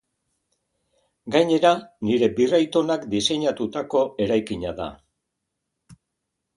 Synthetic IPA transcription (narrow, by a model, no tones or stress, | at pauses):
ɡajɲe̞ɾaniɾe̞birajt̪o̞nakd̪ise̞ɲat̪ut̪ako̞e̞ɾajkiɲaða̰